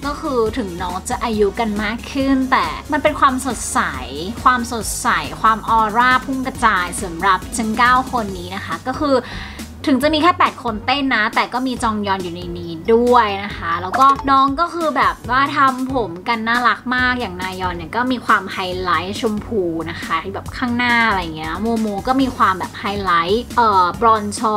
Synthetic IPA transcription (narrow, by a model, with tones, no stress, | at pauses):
kɔː˥˩xʰɯː˧t̪ʰɯ˨˩˦ŋnɔː˦˥ŋt͡ɕa˨˩ʔaː˧ju˦˥ka˧nmaː˥˩kʰːɯ˥˩nt̪ɛː˨˩ma˧npe˧nkʰwaː˧mso˨˩t̪̚sa˩˦jkʰwaː˧mso˨˩t̪̚sa˨˩˦jkʰwaː˧mʔɔː˧ɾaː˥˩pʰu˥˩mka˧t͡ɕaː˧˩jsa˩˦mɾa˨˩p̚t͡ɕʰɯ˦˥əŋkaː˥˩wkʰo˧nːiː˦˥na˦˥kʰa˦˥kɔː˥˩xʰɯː˧ | t̪ʰɯ˨˩˦ŋt͡ɕa˨˩ʔmiː˧kʰɛː˥˩pɛː˨˩t̪̚kʰo˧nt̪e˥˩nːa˦˥t̪ɛː˨˩kɔː˥˩miː˧t͡ɕɔː˧ŋjɔː˧njuː˨˩na˧jniː˦˥du˥˩əjna˦˥kʰa˦˥lɛː˦˥wkɔː˥˩nɔː˧ŋkɔː˥˩kʰɯː˧bɛː˨˩p̚waː˥˩t̪ʰa˧mpʰo˩˦mka˧nːaː˥˩ɾa˦˥k̚maː˥˩k̚jaː˨˩ŋnaː˧jɔː˧nːi˨˩ɐkɔː˥˩miː˧kʰwaː˧mha˧jla˦˥jt͡ɕʰu˧mpʰuː˧na˦˥kʰa˦˥˩bɛː˨˩p̚kʰaː˥˩ŋnaː˥˩˧ɾa˧ja˨˩ŋːi˦˥˦ɐna˦˥mu˧moː˧kɔː˥˩miː˧kʰwaː˧mbɛː˨˩p̚ha˧jla˦˥jʔɤː˨˩bɾɔː˧nt͡ɕʰɔ˦˥